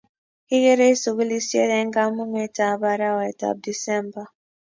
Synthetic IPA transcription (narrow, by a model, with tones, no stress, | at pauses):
i˦ɣɛ˦ɾe˦i˦su˨ku˦li˦sjɛ˦ɾɛ˦ŋ˦ɡa˦mu˦mɛ˦ta˨ba˦ɾa˦wɛ˨ta̰˨p̚di˨sɛ˦mba˨